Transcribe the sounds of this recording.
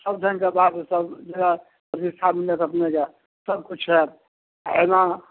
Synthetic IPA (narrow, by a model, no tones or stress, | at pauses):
səb̚d͡ʒʱənkebad̪sesəbd͡ʒəɡa | əd̪ist̪ʰaminət̪ʰəpneke | səb̚kut͡ʃʰɛt̪̚ | ɦena